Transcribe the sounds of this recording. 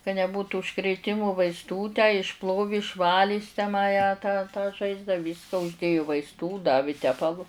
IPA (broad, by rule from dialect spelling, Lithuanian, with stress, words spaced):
kɐ nʲɛˈbuːtʊ ʊʃkrʲeːˈtʲɪmʊ ʋɐɪsˈtuː tʲæː ɪʃˈplˠoːʋʲɪ ɪʃˈʋɑːlʲɪ jɪs tʲæː mɐ jæː tɑː tɑː ˈʒɐɪzdɑː ˈʋʲiːskɐ ʊʒʲdʲeːjʊ ʋɐɪsˈtuː ˈdɑːʋʲɪ ˈtʲæːpɐlˠʊ